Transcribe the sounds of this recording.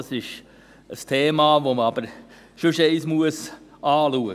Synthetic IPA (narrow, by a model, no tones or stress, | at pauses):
sɪʃ | əstʰeːmɑːʋoməɑb̥əɾ | ʃʊʃɛɪsmuəs | ɑːluːə